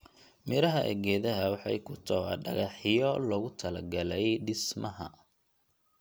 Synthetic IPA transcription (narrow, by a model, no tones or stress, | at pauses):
mɪɾɐɦɐʔɛ̰ɡɛːðɐɦɐwɑħɑ̰jkʰʊt̪ʰɔɐ̰ɖɐɣɑħɪjɔlɔɣʊt̪ʰɐlɐɡɐlɛjɖɪsmɐɦɐ̰